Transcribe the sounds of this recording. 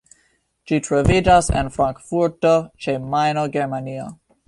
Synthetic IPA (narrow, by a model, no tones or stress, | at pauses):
ʃitʰɹavid͡ʒasɪ̰̃nfɾãŋkfuɹtot͡ʃemajnoɡɛɹmania